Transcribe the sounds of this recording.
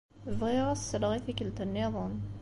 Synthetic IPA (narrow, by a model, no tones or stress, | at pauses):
vʁiʁasːəlʁiθikəlt̪ənːiðˤən